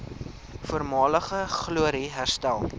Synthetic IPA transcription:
fuəɾmɑːləχəχluəɾiɦærstælˠ

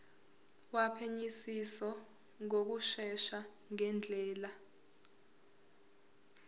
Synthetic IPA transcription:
wapʰeɲisisɔ | ŋok̬uʃɛʃa | ŋɛnd͡ɮʱɛːla

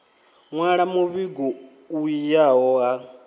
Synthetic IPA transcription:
ŋwaɺamuβiɡuː | ijaɦɔɦa

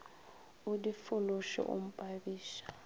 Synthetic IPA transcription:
ʊdifʊlʊʃɔ̰ʔʊ̰m̩pʼabiːʃḁ

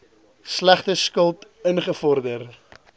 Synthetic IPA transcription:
slæχtəskəlˠt | ənχəfɔrdər

